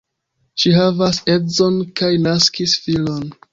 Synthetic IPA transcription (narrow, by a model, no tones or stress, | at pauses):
ʃiɦavase̞zo̞nkajnaskisfilo̞n